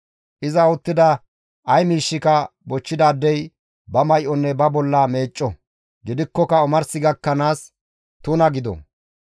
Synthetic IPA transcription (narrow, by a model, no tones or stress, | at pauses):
ʔɪzɐʊt̪ːɪd̪ɐ | ʔɐjmiːʃːɪkɐbɔt͡ʃːɪd̪ɐːd̪ːɛj | bɐmɐjʔɔnːɛbɐbɔlːɐme̞ːt͡ʃʼːɔ | ɡɪd̪ɪkːɔkɐʊmɐɾsɪɡɐkːɐnaːs | t̪ʊnɐɡɪd̪ɔ̰